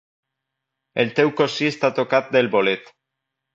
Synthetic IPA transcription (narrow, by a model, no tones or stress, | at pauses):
elt̪ewkosiest̪at̪okat̪̚d̪elβolet̪